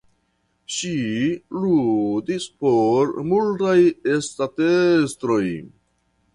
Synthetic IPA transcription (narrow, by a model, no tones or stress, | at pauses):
ʃiludispoɾmultajestatestɾo̞j